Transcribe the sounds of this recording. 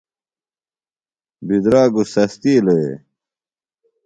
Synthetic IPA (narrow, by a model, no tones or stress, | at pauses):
bid̪ɾaːɡusɐst̪iːlɐḛ